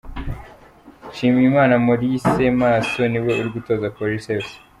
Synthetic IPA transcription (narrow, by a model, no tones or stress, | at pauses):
ʃiːmijimaːnamoɾisemaːso̞niwe̞uɾiɡuto̞ːzakoɾises